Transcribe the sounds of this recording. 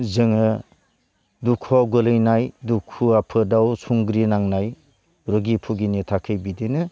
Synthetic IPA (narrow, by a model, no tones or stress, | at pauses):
zɯŋɯ | dukʰɔɡolɯjnajdukʰːuapʰɯdawsʰuŋɡɾinaŋnaj | ɾoɡipʰuɡinitʰakʰɯjbidenɯ